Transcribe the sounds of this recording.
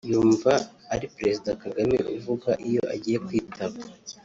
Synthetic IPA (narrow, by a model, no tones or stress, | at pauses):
juːɱvaːɾipɾe̞zidakaɡamḭʔuvuɡaʔijoʔaɟiːje̞kwiːtʰaβa